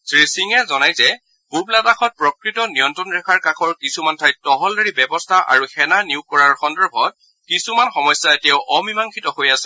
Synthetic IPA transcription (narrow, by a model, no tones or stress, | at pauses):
sɹisiŋɛzɔnajzɛ | b̥ublataxʰɔt̚pɹɔkɹitɔniɔntɹɔnɹɛkʰaɹkakʰɔɹkisumantʰajtɔɦɔldaɹibɛbɔstʰaʔa̰ɹuxɛnaniuʊkɔɹaɹxɔndɛɹbʱɔt̚ | kisumanxɔmɔjsːaetijaʊʔɔmimaŋkʰitɔhojasɛ